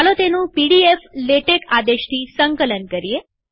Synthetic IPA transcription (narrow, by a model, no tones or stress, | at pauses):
alot̪enũpiɽiefleʈekad̪eʃt̪ʰisəŋkələnkəɾie